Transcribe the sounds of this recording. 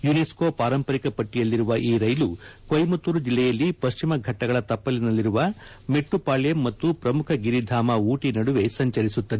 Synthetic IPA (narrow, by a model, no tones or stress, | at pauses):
juneskoːpaːɾɐmpɐɾikɐpɐʈːijɐlːiɾuʋɐʔiːɾɐjlukojmɐt̪uɾud͡ʒilːɛjɐlːipɐʃt͡ʃimɐɡʱɐʈːɐɡɐɭɐt̪ɐpːɐlinɐlːiɾuʋɐ | meʈːupaːɭjɐmːɐt̪ːupɾɐmukʰɐɡiɾid̪ʱaːmɐuːʈinɐɽuʋe̞sɐɲt͡ʃɐɾisut̪ːɐd̪e